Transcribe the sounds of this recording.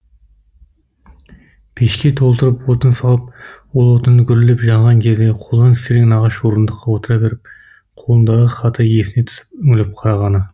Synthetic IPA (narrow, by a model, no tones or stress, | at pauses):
pʰeʃkʲe̞t̪ʰo̞lˠt̪əɾəpwot̪ənsɑlˠəp̚wolˠwo̞t̪ənːəɡʲʰʏɾɪlɪpʒɑɴʁɑŋkʲʰe̞zd̪e̞qʰo̞lˠd̪ɑnʲʰɪ̥st̪eɾeɡʲɪnɑʁɑʃwo̞ɾənd̪əqːɑwo̞t̪əɾɑbe̞ɾɪp̚ | qʰo̞lˠənd̪ɑʁəχɑt̪ʰɑje̞sɪnet̪ʰʊ̥sɪ̥p̚ʏŋʲɪlɪp̚qʰɑɾɑʁɑnə